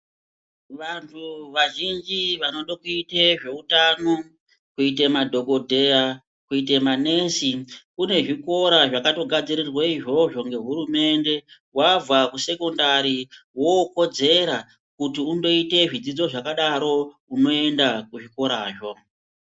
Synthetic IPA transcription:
ʋantʰuʋaʒind͡ʒiʋanoɗokuiteʐe̞utano | kuit̬emadʱo̞ɡʱo̞dʱea | kuit̬emane̞sikune̞ʐiko̞ɾaʐakato̞ɡʱad͡ziɾirwaiʐo̞ʐo̞ŋɡe̞ɦurume̞nde̞ | wavakuse̞ko̞ndaɾiwoko̞d͡ze̞ɾa | kutiundo̞ite̞ʐid͡zid͡zo̞ʐakaɗaɾo̞ | uno̞e̞ndakuʐiko̞ɾaːʐo̞

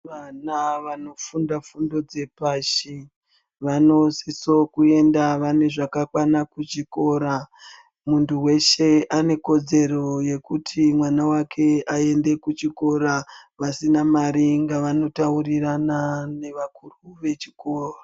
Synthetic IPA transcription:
ʋanaʋano̞fundafundo̞d͡zepaːʃi | ʋano̞siso̞kue̞ndaʋane̞ʐakakwanakut͡ʃiko̞ːɾa | muntʰuwe̞ʃe̞ʔane̞ko̞d͡ze̞ro̞je̞kutʰimwanawakʰe̞ae̞nde̞kut͡ʃiko̞ɾaʋasinamaɾiŋɡaʋano̞tauriranane̞ʋakuruʋe̞t͡ʃi̥ko̞ːra

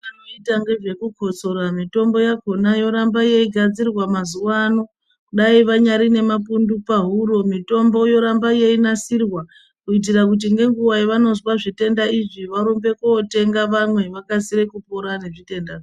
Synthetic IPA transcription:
anoitaŋɡe̞ʐe̞kuko̞t͡so̞ɾamito̞mbo̞jako̞najo̞ɾambajeiɡʱad͡zirwamazuwano̞ | ɗaiʋaɲaɾine̞mapundupaɦuɾo̞mito̞mbo̞jo̞ɾambaje̞inasirwa | kuit̬irakut̬iŋɡe̞ŋɡuwaiʋano̞zwaʐite̞ndaiʐiʋaɾombe̞koːte̞ŋɡaʋamwe̞ʋakasiɾe̞kupo̞ɾane̞ʐite̞ndaːʐi

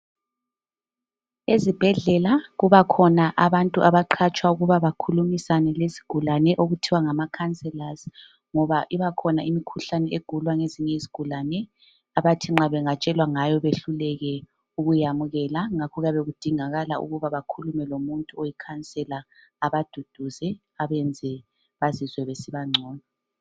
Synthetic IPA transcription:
ezib̥ʱɛɮɛlaɣuβakʰɔnaʔaβantʼuʔaβaǃʰat͡ʃʼwauɣuβaβakʰulumisanɛlesi̥ɡ̥ʱulanɛʔoɣutʰiwaŋamakʰant͡sʼɛlaz | ŋɔβaʔiβakʰɔnaimikʰuɬanɛeɡ̥ʱulwaŋeziɲɛizi̥ɡ̥ʱulanɛ | aβatʰiŋ͡ǁaβɛŋat͡ʃʼɛlwaŋajɔβeɬulɛɣɛ | uɣujamuɣɛlaŋakʰɔɣaβeɣud̥ʱiŋaɣalaṵɣuβaβakʰulumɛlomuntʼuojikʰant͡sʼɛla | aβad̥ʱud̥ʱuzɛ | aβɛnd͡zʱɛ | βazizwɛβesiβaŋ͡ǀʱɔːna

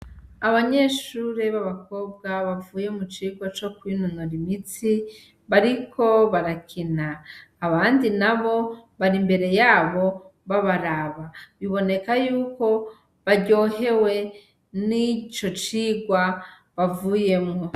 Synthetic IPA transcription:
aβaɲe̞ʃuːɾeβaβako̞bɡaβavuːje̞mut͡ʃiːɡwat͡ʃo̞kwinunoɾimit͡si | βaɾikʰo̞βaɾakʰinaːβaːndinaβo̞βaɾimbe̞ɾe̞jaːβo̞βaβaɾaβaβiβo̞ne̞kajuːko̞ | βaɟo̞ːɦe̞we̞ | nit͡ʃo̞t͡ʃiːɡwa | βavuːje̞mŋo̞

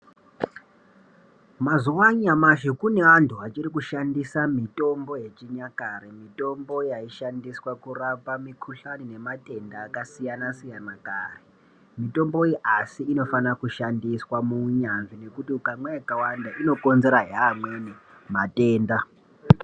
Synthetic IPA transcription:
mazuwaɲamaʃikune̞antʰuat͡ʃirikuʃandisamito̞mbo̞je̞t͡ʃiɲakaɾe̞mito̞mbo̞jaiʃandiswakurapamikʰuɬanine̞mate̞ndaːkasijanasijanakaːre | mito̞mbo̞iʔasiːno̞fanakuʃandiswamuɲanʐine̞kutiukamwejakawandaʔino̞ko̞nze̞ɾaɦeamweni | mate̞ːnda

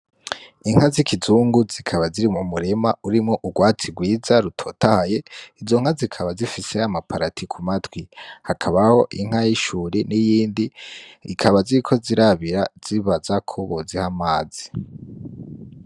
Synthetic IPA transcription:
iŋ̥hazikʰizuːŋɡuzikʰaβaziɾimumuɾemauɾimŋo̞ʔuɡwaːt͡sibɡwiːzaɾutʰo̞tahaje̞izo̞ŋ̥hazikʰaβazifise̞amapʰaɾatʰikʰumatwihakʰaβaho̞ʔiŋ̥hajiʃuɾinijiːndḭːkʰaβaziɾikʰo̞ziɾaβiɾaz̥iβazakʰoβozihamaːz̥i

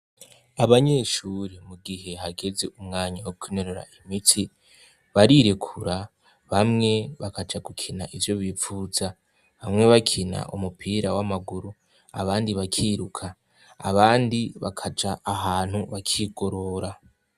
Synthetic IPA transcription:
aβaɲe̞ʃuɾemuɡiɦe̞ɦaɡe̞ze̞ʔumŋaːɲawokwineɾoɾa̰ʔimitʰi | βaɾiɾekʰuɾa | βamŋe̞βakad͡ʒaɡukʰina̰ʔivjo̞βifuza | βamŋe̞βakʰina̰ʔṵmupʰiɾawamaɡuɾu | a̰βaːndiβakʰiɾukʰa̰ː | βaːndiβakʰad͡ʒaʔːɦaːn̥huβakʰiɡo̞ɾo̞ɾa

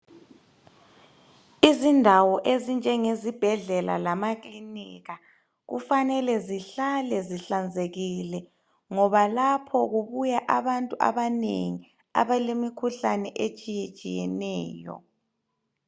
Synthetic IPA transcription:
izindʱawɔʔezind͡ʒʱɛŋezib̥ʱɛɮɛla̰lamakliniɣa | ɣṵfanɛlɛziɬalɛziɬand͡zʱeɣilɛ | ŋɔβalapʰɔɣuβujaʔaβantʼua̰βanḛŋi | a̰βalemikʰuɬanɛʔet͡ʃʼijet͡ʃʼḭjɛ̰nɛːjɔ̰

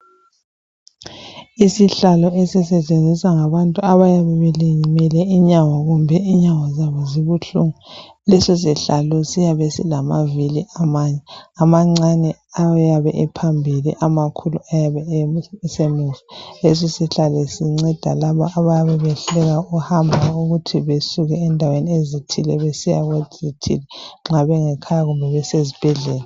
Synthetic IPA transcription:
isiɬalɔɛsɛsɛt͡ʃʼend͡zʱisaŋaβantʼuaβajaβɛβɛliɲimɛlɛiɲaŋɔɣumbʱɛiɲaŋɔzaβɔziβuɬuŋu | lɛsɔsiɬalɔsijaβɛsḭlamaviliʔamaɲɛamaŋ͡ǀanɛajaβɛ̰ʔɛpʰambʱilḭʔamakʰulṵajaβɛsemuvies̬isiɬalɛsiŋ͡ǀɛd̥ʱa̰laβɔʔaβajaβɛβɛɬɛɣauhambʱauɣutʰiβesuɣɛːndʱaweniezitʰilɛβesija̰ɣwezitʰḭlɛŋ͡ǁaβɛŋɛkʰajaɣumbʱɛβɛsezib̥ʱɛɮɛːla

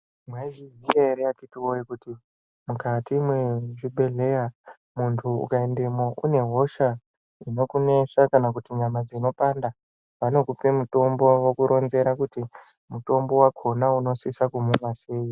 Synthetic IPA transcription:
mwaiʐizieɾeatitiojikuti | mukatimwe̞ʐibʱe̞ɮe̞ja | muntʰuṵkaendemo̞ʔṵne̞ɦo̞ʃa | ino̞kune̞sakanakutiɲamad͡zino̞panda | ʋano̞kupemuto̞mbo̞wokuɾʔo̞nze̞ɾakuti | muto̞mbo̞wakʰo̞nauno̞sisakumuʋase̞ːji

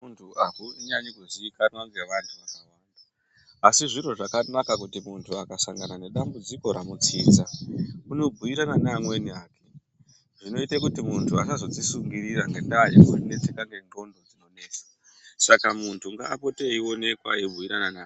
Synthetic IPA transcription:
untʰuʔakuiɲaɲikuziːkanwanɡeʋantʰuʋamawaːndaː | siʐiro̞ʐakanakak̬utimuntʰuakasaŋɡanane̞ɗambud͡ziko̞ɾamut͡siːd͡zauno̞bʱuiɾananamweniaːke | ʐ̥ino̞itakutimuntʰua̰sazo̞tisuŋɡiriɾaŋɡentaːjakutine̞t͡se̞kaŋɡe̞ndo̞ndo̞d͡zino̞ne̞ːt͡sḁ | sakamuntʰuŋɡa̰ːpo̞teiwo̞ne̞kwa̰ebʱuiɾananaː

